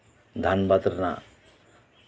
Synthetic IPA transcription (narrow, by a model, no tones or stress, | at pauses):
d̪ʱanbat̪ɾna̰